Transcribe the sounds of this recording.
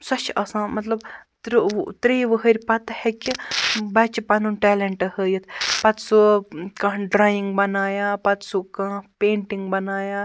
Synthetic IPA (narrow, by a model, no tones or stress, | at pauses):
sɐt͡ʃʰɐsãːmɐt̪lɐbt̪ɾt̪ɾijʋəɦəɾʲpɐt̪hekʲibɐt͡ʃipɐnunʈɛːleɳʈɐhəːjɐt̪ʰpɐt̪sukɐ̃ːɖɾaːjiŋɡ̚bɐnaːjaːpɐt̪sukãːpeːɳʈiŋɡbɐnaːja